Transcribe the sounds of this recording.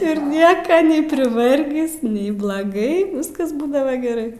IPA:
ɪr ˈnʲiɛkɐ nʲɛɪ pʲrʲɪˈʋɐrʲɡʲɪs nʲɛɪ blˠɐˈɡɐɪ ˈʋʲɪskɐzˈbuːdɐʋɐ ɡʲɛˈrɐɪ

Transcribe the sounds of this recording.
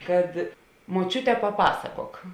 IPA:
kɐt moːˈt͡ʃʲʊtʲɛ pɐˈpɑːsɐkoːk

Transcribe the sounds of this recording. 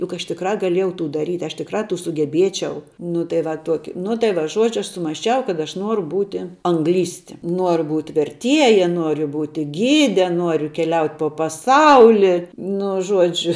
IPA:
jʊk ɐʃ tʲɪkˈrɑː ɡɐˈlʲiɛjɛʊ ˈtuː dɐˈrʲiːtʲ ɐʃ tʲɪkˈrɑː sʊɡʲɛˈbʲiɛt͡ʃʲɛʊ nʊ tɐɪ ˈʋɐ ˈtuɔkʲɪ nʊ tɐɪ ˈʋɐ ˈʒuɔd͡ʒʲʊ ˈɐʃ sʊmɐsʲˈt͡ʃʲɛʊ kɐt ˈɐʃ ˈnuɔrʊ ˈbuːtʲɪ ɐŋˈɡlʲiːsʲtʲɪ ˈnuɔrʊ buːtʲ ʋʲɛrʲˈtʲiɛjɛ ˈnuɔrʲʊ ˈbuːtʲɪ ˈɡʲiːdʲɛ ˈnuɔrʲʊ kʲɛˈlʲɛʊtʲ poː pɐˈsɐʊlʲɪ ˈnʊ ˈʒuɔd͡ʒʲʊ

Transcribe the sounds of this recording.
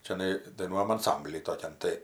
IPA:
t͡ʃʲɛˈnɐɪ dɐɪˈnuɔjɛm ɐnˈsɐmʲbʲlʲiː toːˈkʲɛn tɐɪ

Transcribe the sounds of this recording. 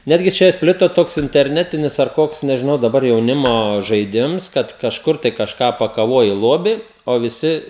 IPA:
ˈnʲæːdʲɡʲɪ ˈt͡ʃʲɛ ˈpʲlʲɪtoː ˈtoːks ɪnʲtʲɛrʲˈnʲæːtʲɪnʲɪs ɐr ˈkoːks nʲɛʒʲɪˈnɐʊ dɐˈbɐr jɛʊˈnʲɪmoː ʒɐɪˈdʲɪms ˈkɐt kɐʃˈkʊr tɐɪ kɐʃˈkɑː pɐkɐˈʋuɔjɪ ˈlˠoːbʲɪ oː ʋʲɪˈsʲɪ

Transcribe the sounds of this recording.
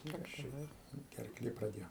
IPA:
ˈkɐs t͡ʃʲɛ ˈdɐr ɡʲɛrˈklʲeː prɐˈdʲeːjoː

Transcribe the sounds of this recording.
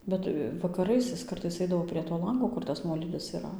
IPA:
ˈbʲɛt ʋɐkɐˈrɐɪs ɪs ˈkɐrtɐɪs ˈɐɪdɐʋoː pʲrʲiɛ toː ˈlˠɐŋɡoː ˈkʊr tɐs ˈnuɔlʲiːdʲɪs iːˈrɐ

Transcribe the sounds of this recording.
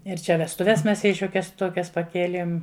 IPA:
ɪr ˈt͡ʃʲɛ ʋʲɛstʊˈʋʲɛs ˈmʲɛs ˈjɛɪ ˈʃʲuɔkʲɛs ˈtuɔkʲɛs pɐˈkʲiɛlʲeːm

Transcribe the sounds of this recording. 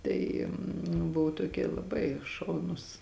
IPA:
ˈtɐɪ nʊ ˈbʊʋʊ toːˈkʲiɛ lˠɐˈbɐɪ ˈʃɐʊnʊs

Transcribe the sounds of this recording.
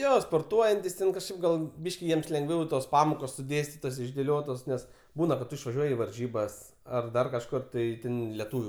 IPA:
ˈjoː spoːrˈtuɔjɛnʲtʲɪs tʲɛn kɐʃˈkɐɪp ɡɐlˠ ˈbʲiːʃʲkʲɪ ˈjiɛms lʲɛŋˈɡʋʲɛʊ ɪ toːs ˈpɑːmoːkoːs sʊˈdʲeːsʲtʲɪtoːs ɪʒʲdʲeːˈlʲoːtoːs ˈnʲɛs ˈbuːnɐ kɐt ˈtʊ ɪʃʋɐˈʒʲuɔjɪ ɪ ʋɐrʲˈʒʲiːbɐs ɐr ˈdɐr kɐʃˈkʊr ˈtɐɪ ˈtʲɛn lʲɛˈtuːʋʲʊ

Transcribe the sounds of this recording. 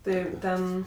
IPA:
ˈtɜ ˈtʲɛn

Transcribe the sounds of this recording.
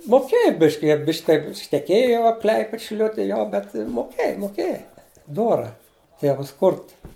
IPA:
moːˈkʲeːjɛ ˈbʲɪʃʲkʲɪ ˈjiɛ ˈbʲɪʃʲkʲ ˈtʲɛɪp ʃʲnʲɛˈkʲeːjoː jɛʊ ˈklʲɐɪpʲɛt ʃʲɪˈlʲʊtʲɪ ˈjoː bʲɛt moːˈkʲeːjɛ moːˈkʲeːjɛ ˈdoːrɐ ˈtʲeːʋɐs ˈkʊrt

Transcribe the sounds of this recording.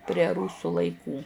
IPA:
pʲrʲiɛ ˈruːsuː lˠɐɪˈkuː

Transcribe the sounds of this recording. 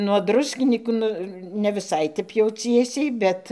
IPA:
nuɔ ˈdrʊsʲkʲɪnʲiːkuː ˈnʊ nʲɛ ʋʲɪˈsɐɪ ˈtʲɛp jɛʊ ˈt͡sʲiɛsʲɛɪ ˈbʲɛt

